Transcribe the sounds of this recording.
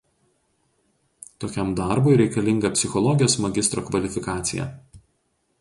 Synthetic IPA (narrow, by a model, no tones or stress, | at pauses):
t̪oːkʲɛmd̪ɑˑɾbʊɪɾʲɛɪkɐlʲɪŋɡɐpʲsʲɪxɔlˠɔɡʲɪjoːsmɐɡʲɪst̪ɾoːkʋɐlʲɪfʲɪkɑːt̪sʲɪ̰jɛ̰